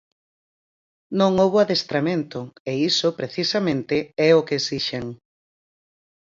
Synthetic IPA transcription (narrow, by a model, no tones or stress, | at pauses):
nõŋoβoaðest̪ɾamẽnt̪ʊeisʊpɾeθisamẽnt̪ɪɛokeesiʃeŋ